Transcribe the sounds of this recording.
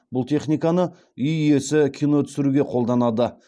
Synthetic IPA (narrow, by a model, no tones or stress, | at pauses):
bʊlˠt̪ʰe̞χnijkɑnə | ʏjije̞sɪkʲʰijno̞t̪ʰʏ̥sɪɾuɡʲe̞qʰo̞lˠd̪ɑnɑd̪ə